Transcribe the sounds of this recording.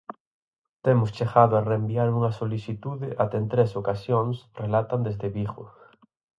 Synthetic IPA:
t̪emʊst͡ʃeɣaðʊareːmbiaɾuŋɐsoliθit̪uðɪʔat̪ɛent̪ɾesokasjoŋsrelat̪and̪ezðeβiɣʊ̰

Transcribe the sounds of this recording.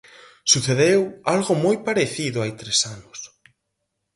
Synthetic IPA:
suθeðewalɣʊmojpaɾeθiðʊajt̪ɾesanʊs

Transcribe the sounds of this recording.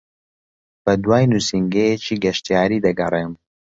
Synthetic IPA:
b̥ɐd̪waːjnusiŋɡejet͡ʃiːɡɐʃt̪ijaːɾiːd̪ɐɡɐreːm

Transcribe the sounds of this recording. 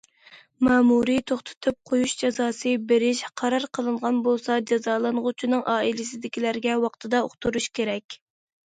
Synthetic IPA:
mɑːmuɾit̪ʰoχt̪ʰɨ̥t̪ʰɨp̚qʰojuʃd͡ʒɑzɑːsɨbɪɾɪʃqʰɑɾɑɾqʰəlˠɨɴʁɑnbolˠsɑd͡ʒɑzɑːlˠɨnʁʊt͡ʃʰinɨŋʔɑːilɪsɪd̪ɪkʲilæɾɡʲɛwɑqt̪ʰɨd̪ɑo̰χt̪ʰuɾuʃkʲʰeɾɛkʲ

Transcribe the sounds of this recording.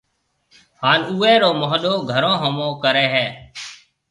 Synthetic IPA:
haːnuːẽːɾoːmoɦɗoːɡʱəɾõːɦəmõːkəɾeːɦɛː

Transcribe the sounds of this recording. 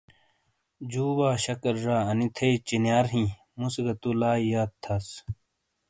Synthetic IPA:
d͡ʑuːwaːɕɐkɐɾːaːɐnit̪ʰɐit͡ɕinjaːɾɦĩ | musɡɐt̪ulaːijaːt̪ʰːɐs

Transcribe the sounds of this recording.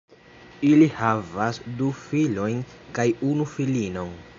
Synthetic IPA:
ilihavasdufilo̞jnkajunufilino̞n

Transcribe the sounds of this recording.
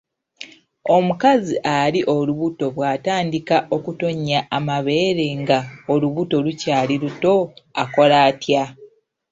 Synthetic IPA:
o̞mukaziʔaɾiʔo̞luβuto̞βwaːtaːndikaʔo̞kuto̞ɲːaʔːmaβe̞ːɾe̞ŋɡaoluβuto̞lucaːliɾuto̞ako̞laːtja

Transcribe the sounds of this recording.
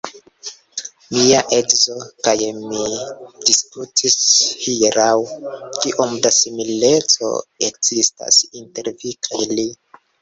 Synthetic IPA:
miaʔeɡzo̞kajmidiskutʰishiɾawkiʔomdasimile̞t͡so̞̰ekz̥ista̰sinte̞ɾvikʰajli

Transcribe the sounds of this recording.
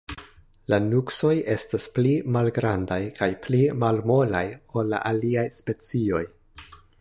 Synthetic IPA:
lanukso̞je̞stasplimalɡɾandajkajplimalmo̞lajo̞lːa̰ʔaliajspe̞t͡sio̞j

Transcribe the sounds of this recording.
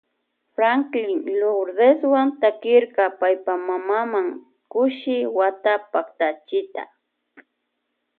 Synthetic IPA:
fɾaŋklɪŋloɾd̪eswant̪akɪɾkɑpajpamamamaŋ | kʊʃɪwat̪apakt̪at͡ʃɪt̪a̰

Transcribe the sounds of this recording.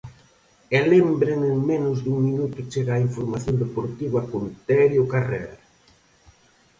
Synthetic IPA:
elembɾenɪmenʊzd̪uŋminut̪ʊt͡ʃeɣaːiɱfoɾmaθjond̪epoɾt̪iβakont̪ɛɾjokarɛɾ

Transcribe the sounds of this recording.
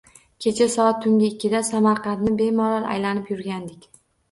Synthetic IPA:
kʲʰe̞t͡ʃʰasɒat̪ʰːʊŋɡʲɪɪkʲʰːɪd̪asamaɾqʰɑnt̪nɪbe̞mɒɾaɾa̰jlanɪpjʊɾɡʲand̪ɪkʲ

